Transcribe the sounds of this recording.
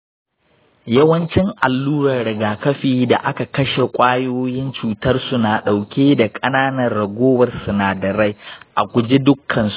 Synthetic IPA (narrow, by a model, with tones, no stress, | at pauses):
jɐ˦wɐ˦nt͡ʃɪ˦ŋʔa˨lːuː˦ɾɐ˨rɽɐ˨ɡaː˨kɐ˦ɸiː˨da˨ʔa˦ka˨kɐ˦ʃe˨kʷʼaː˦joː˦jɪ˦nt͡ʃuː˨tɐ˦rsu˨naː˨ɗa˨wkʲeː˦da˨kʼɐ˦naː˦nɐ˨rːɐ˨ɡʷoː˦wɐ˨rsʊ˨naː˨dɐ˨ɽa˦jʔa˨kʷʊ˨d͡ʒe˦dʊ˦kʰːɐ˨ns